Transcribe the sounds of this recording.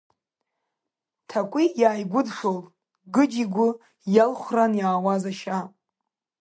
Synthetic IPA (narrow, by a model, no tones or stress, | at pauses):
tʰakʷʼijaːjɡʷʊdʂol | ɡɨd͡ʒiɡʷʊ | jalχʷranjaːwazaʃa